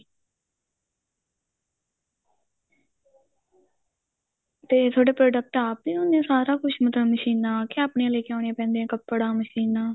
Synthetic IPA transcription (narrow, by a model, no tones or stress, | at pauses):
t̪eːt̪ʰoːɖeːpɾoːɖək̚ʈaːpːiːʊnẽːsaːɾaːkʊʃmət̪ləməʃiːnãːkeaːpɳeːleːkãːneːpɛ̃ːnd̪eɛ̃ːkəpːɽaːməʃiːnaː